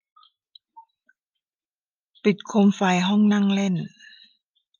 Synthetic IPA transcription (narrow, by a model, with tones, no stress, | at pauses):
pi˨˩t̪̚kʰo˧mfaː˧˩jɦɔ˥˨ŋna˧˥˨ŋle˧˥˨n